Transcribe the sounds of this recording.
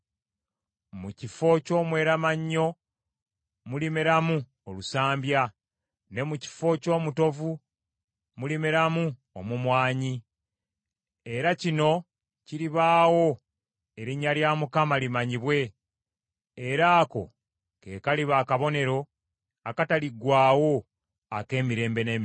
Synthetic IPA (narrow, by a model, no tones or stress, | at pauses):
mucifo̞co̞ːmwe̞ːɾamaɲːo̞ | mulimeɾamu | olusaːmbja | ne̞muci̥fo̞co̞ːmuto̞vu | mulimeɾamu | omumwaːɲi | eɾacino̞ | ciɾiβaːwo̞ | e̞ɾiɲːaljaːmukamalimaɲiβwe̞ | ɾaːko̞̰ | ke̞̰kaliβaːkaβo̞ne̞ɾo̞ | akataliɡwaːwo̞ | ake̞ːmiɾe̞ːmbe̞nem